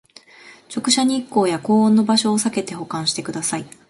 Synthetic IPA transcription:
t͡ɕo̞kɯ̟ɕaɲ̟iːkːo̞ːjako̞ːõnːo̞baɕo̞ːsake̞t̪e̞ɦo̞kãɰ̃ɕi̥t̪e̞kɯ̟d̪asai

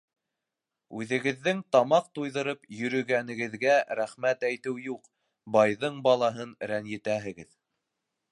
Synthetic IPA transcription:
ʉðɘ̆ɡɘ̆ðːɘŋt̪ɑmɑq̚t̪ujðɤ̆ɾɤpjɵ̆ɾɵ̆ɡænɘ̆ɡɘ̆ðɡæɾæχmæt̪æjt̪ɘwjuq | bɑjðɤɴbɑlˠɑɦɤnɾænjɘ̆t̪æɦɘ̆ɡɘð

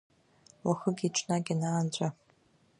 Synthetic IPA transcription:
waxəɡʲiʈ͡ʂʷʰʼnaɡʲɪnaːnt͡ɕʷʼa

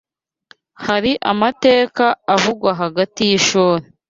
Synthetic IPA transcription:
haɾiʔamate̞ːkaːvuɡwaɦaɡatijiʃoːɾe

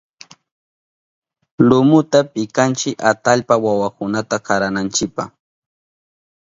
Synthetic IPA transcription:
lʊmʊt̪apɪkant͡ʃɪkat̪aʎpawawakʊnat̪akaɾanant͡ʃɪk̚paχ

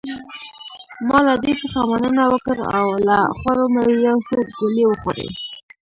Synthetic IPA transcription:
mɑlad̪eʃoxɑmanənawəkəɾa̰wlaxwaɾomawijawsoɡʊlewəxo̰ɾḛj

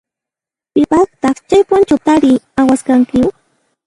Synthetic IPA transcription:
pɪpakt̪ɑχt͡ʃajpʊnt͡ʃat̪aɾɪawaskaŋkɪ

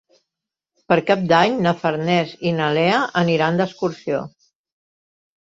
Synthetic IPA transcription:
pəɾkap̚d̪aɲnəfəɾnɛzinəlɛəʔəniɾand̪əskuɾsio

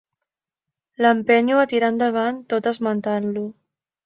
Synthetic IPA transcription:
ləmpɛɲuət̪iɾand̪əβ̞ant̪ot̪əzmənt̪anlu

